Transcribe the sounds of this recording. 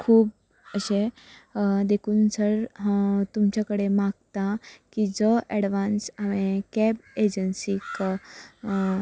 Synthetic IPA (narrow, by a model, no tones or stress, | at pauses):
kʰuːb | əɕe | d̪ekʰuːnsəɾɦt̪umt͡ɕjakəɽemaɡ̚t̪akid͡zəʔɛɽʋãnsaʋẽkɛbed͡ʑənsiːk